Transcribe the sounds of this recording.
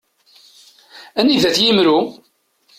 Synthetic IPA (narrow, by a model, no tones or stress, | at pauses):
æniðæθjimɾu